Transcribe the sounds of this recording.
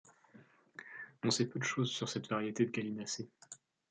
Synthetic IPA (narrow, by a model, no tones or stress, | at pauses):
ɔ̃sɛpød̪əʃozsyʁsɛt̪vaʁjet̪ed̪əɡalinase